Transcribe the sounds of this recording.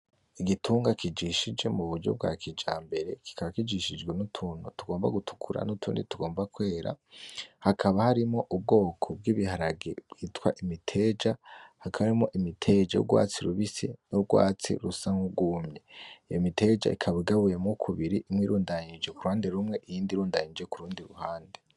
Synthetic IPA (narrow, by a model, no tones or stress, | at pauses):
iɡitʰuːŋɡakʰid͡ʒiʃid͡ʒe̞muβuɾɟo̞̰b̚ɡa̰ːkʰid͡ʒaːmbe̞ɾe̞ki̥kaβakid͡ʒiʃid͡ʒɡwe̞nutʰuːnotuɡo̞ːmba̰ɡutʰu̥kʰuɾa̰nutʰuːndituɡo̞ːmbakwe̞ːɾa̰hakʰaβahaɾimŋo̞ʔub̚ɡo̞ːkʰo̞b̚ɡiːβihaɾaɡḛb̥ɡ̥iːtwaʔimitʰe̞ːd͡ʒahakʰaβaɾimo̞ʔimitʰe̞d͡ʒa̰jṵɡwa̰ːt͡siɾuβisḭnoɡwa̰ːt͡sḭɾusaŋhuɡuːmɲeijomitʰe̞d͡ʒa̰ikʰaβiɡaβujemŋokʰuβiɾiʔimŋwiɾuːndaɲid͡ʒe̞kuɾuhaːnde̞ɾumŋe̞ʔijiːndiɾuːndaɲid͡ʒe̞kuɾuːndiɾṵhaːnde